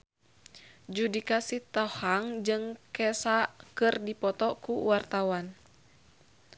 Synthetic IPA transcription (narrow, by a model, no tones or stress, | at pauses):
d͡ʒudikasiht̪ɔhaŋd͡ʒɨŋkɛsaʔkɨrdipɔt̪ɔkuwart̪awan